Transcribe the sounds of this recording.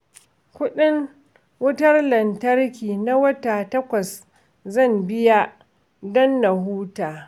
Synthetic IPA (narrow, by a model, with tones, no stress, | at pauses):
kʷʊ˦ɗɪ˦ŋ | wʊ˦tɐ˦rlɐ˨ntɐ˦rkʲiː˨na˦wɐ˦taː˨tɐ˦kʷɐ˨s | zɐ˦˨mbɪ˦ja˦ | dɔ˦nːa˨ɦuː˦taː˨